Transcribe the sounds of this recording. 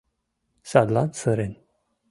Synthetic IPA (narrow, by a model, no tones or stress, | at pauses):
saɡlansəɾen